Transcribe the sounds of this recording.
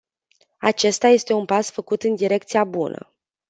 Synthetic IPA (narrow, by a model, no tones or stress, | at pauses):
at͡ʃe̞st̪aje̞st̪e̞unpasfəkut̪ɨnd̪iɾe̞kt̪sijabunʔə̰